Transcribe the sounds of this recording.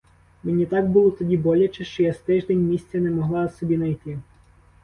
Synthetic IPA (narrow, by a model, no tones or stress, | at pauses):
menʲit̪ɑɡ̚bulˠɔt̪ɔdʲibɔlʲɐt͡ʃɛʃt͡ʃɔjast̪ɪʒd̪enʲmʲisʲt͡sʲɛnɛmɔɦlˠɑsɔbʲinɐjt̪ɪ